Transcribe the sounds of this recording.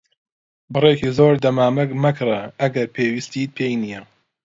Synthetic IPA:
bɨrekiːzoːɾd̪ɐmaːmɐkmɐkʰɨɾɐɐɡɐɾpʰeːwist̪it̪̚pʰeːjnijɛ

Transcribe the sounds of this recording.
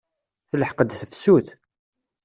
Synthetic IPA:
θlːəħqəd̪θθsuθ

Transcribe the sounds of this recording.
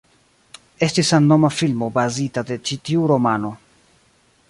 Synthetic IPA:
e̞stisanːo̞mafilmo̞bazitade̞t͡ʃitiuɾo̞mano̞

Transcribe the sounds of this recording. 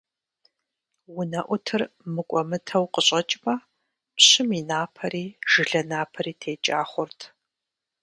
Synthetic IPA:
wʊnɐʔʷʊtʰɨrmɨkʷʼɔmɨtʰɐwqəɕʼɐt͡ʃʼmɐ | pɕɪminaːpʰɐɾiːʒ̥ɨɮɐnaːpʰɐɾiːtʰeːt͡ʃʼaːχʷʊrtʰ

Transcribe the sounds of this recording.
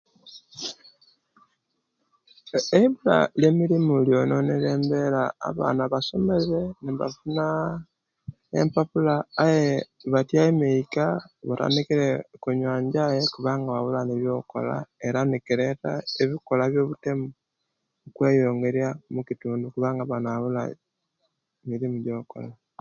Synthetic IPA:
eiβula̰leːmiɾimuljo̞noneleːmbe̞ɾa̰ːβa̰ːnaβaso̞me̞ɾe̞niβa̰funa | ḛmpapulaːjeβatjaemeikaβata̰nikiɾekuɲwaːɲɟajekuβaːŋɡaβaβulaneβjo̞ko̰la̰eɾanekiɾetaeβikolaβjoβutemu | kwejoːŋɡe̞ɾjamukituːndukuβaːŋɡaβanaβula̰ | emiɾimuɟoko̰la

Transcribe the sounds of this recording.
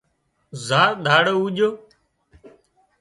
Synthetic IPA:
zaːɾɗ̪ʱaːɽoːuːʄoː

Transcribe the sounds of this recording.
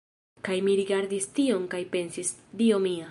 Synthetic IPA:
kajmiɾiɡaɾdistio̞ŋkajpe̞nsisdio̞mia

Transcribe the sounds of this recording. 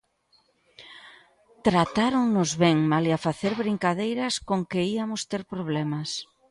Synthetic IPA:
t̪ɾat̪aɾoŋnʊzβeŋmaliafaθeɾβɾiŋkaðejɾɐskoŋkɪiamʊst̪eɾpɾoβ̞lɛmɐs

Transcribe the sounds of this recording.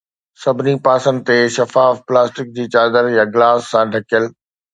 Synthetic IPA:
sɐbʱɪnipaːsə̃nd̪ɪt̪eʃɐfaːfplaːsʈɪk̚d͡ʑiːt͡ɕaːd̪əɾjãɡɪlaːsːãɖʱɐkijəl

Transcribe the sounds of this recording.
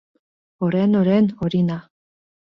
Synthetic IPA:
oɾenoɾenoɾina

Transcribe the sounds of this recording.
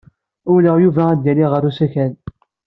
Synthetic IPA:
ʊɾləʁjuvææd̪ːæliʁəɾusæçæn

